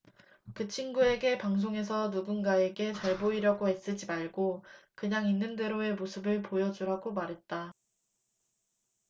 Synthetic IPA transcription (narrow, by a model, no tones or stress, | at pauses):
kɯt͡ɕʰinɡue̞ɡe̞paŋs̬ʰoŋe̞s̬ʰʌnuɡunɡae̞ɡe̞t͡ɕʌɭboiɾjʌɡoe̞s͈ɯd͡ʑimaɭɡokɯɲaŋinːɯnde̞ɾoe̞mosʰɯbɯɭpojʌd͡ʑuɾaɡomaɾɦe̞t̚t͈a